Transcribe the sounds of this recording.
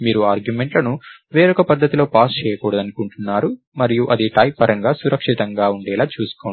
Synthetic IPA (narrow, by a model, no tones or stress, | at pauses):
miːɾuaːɾɡjume̞ɳʈlɐnu | ʋeːɾɔkɐpɐd̪ʱːɐt̪ilo̞ːpaːst͡ʃɛːjɐkuːɽɐd̪ɐnikuɳʈunːaːɾu | mɐɾijuʔɐd̪iʈɐjpːɐɾɐŋɡaːsuɾɐkʂit̪ɐŋɡaːuɳɖɛːlaːt͡ʃuːsu̥koː